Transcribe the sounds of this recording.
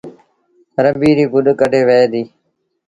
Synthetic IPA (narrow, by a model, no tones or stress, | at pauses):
ɾəbiːɾiːɡʊɗkəɖeːʋeːd̪iː